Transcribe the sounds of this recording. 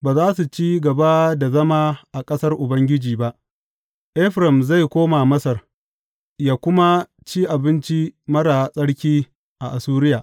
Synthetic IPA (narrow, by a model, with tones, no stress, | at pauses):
baː˨zaː˦su˨t͡ʃiː˦ɡɐ˨ba˦da˨zɐ˦maː˦ʔa˨kʼɐ˦sɐ˦rʔʊ˨bɐ˦ŋɡʲɪ˦d͡ʒiː˨ba˦ʔ | ʔɛ˦ɸɾɛ˨mza˦˨jkʷoː˦maː˨mɐ˦sɐ˨r | jaː˦kʷʊ˦ma˦ | t͡ʃiː˦ʔa˨bɪ˦nt͡ʃi˦mɐ˦ɽaː˨sʼɐ˦ɽkʲiː˦ | ʔa˨ʔa˨suː˦ɾɪ˦jaː˨ʔ